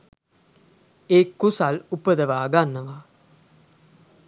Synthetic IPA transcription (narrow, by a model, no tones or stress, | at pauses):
eːkːusalupəd̪əʋaːɡanːəʋa